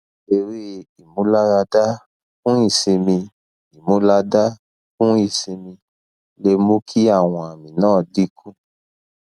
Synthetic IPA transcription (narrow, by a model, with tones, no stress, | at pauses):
e˧ɾe˦˨i˨mũ˨˦la˦ɾa˧da˦ | fũ˦i˦˨sĩ˧mĩ˧ | i˨mũ˨˦la˦da˦ | fũ˦i˦˨si˧mĩ˧ | le˧mo˦kʰi˦a˦˨w̃ɔ̃˧a˨mĩ˨nãː˦˨di˨˦kʰũ˦